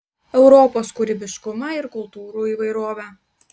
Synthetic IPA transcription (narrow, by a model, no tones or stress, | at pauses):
ɛʊɾɔːpoːskʊɾʲɪbʲɪʃkʊmɑɪɾkʊlˠt̪uːɾuːiːʋɐɪɾoːʋʲɛː